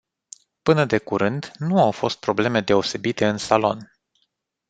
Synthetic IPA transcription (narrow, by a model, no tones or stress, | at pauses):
pɨnəd̪e̞kuɾɨnd̪nuawfo̞st̪̚pɾo̞ble̞me̞d̪e̞o̞se̞bit̪e̞ɨnsalo̞̰n